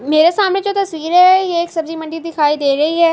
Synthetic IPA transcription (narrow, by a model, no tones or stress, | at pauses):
meːɾesaːmned͡ʒoːt̪ɐssʋiːɾɦɛjeːksɐbziːmə̃ɳɖid̪ɪkʰaːid̪eːɾɐɦiɦɛː